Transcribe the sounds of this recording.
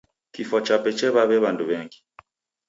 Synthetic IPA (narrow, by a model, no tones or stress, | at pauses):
kifɔt͡ʃapɛt͡ʃɛβaβɛβanduβɛŋɡi